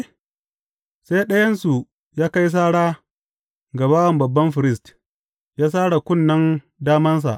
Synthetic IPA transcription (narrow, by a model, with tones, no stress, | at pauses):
sa˦jɗɐ˦jɐ˦nsu˨ | jaː˦ka˦js̬aː˦ɽaː˦ | ɡa˨baː˦wɐ˨mbɐ˨bːɐ˦mɸɪ˨ɾɪ˦st | jaː˦s̬aː˦ɽa˨kʷʊ˦˨nːɐ˦n | daː˦mɐ˦ns̬a̰˨ʔ